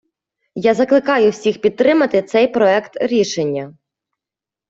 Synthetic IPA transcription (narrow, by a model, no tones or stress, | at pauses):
jazɐklˠɪkɑjʊwsʲixpʲid̪̚t̪ɾɪmɐt̪ɪt̪sɛjpɾɔɛkt̪ɾʲiʃenʲːɐ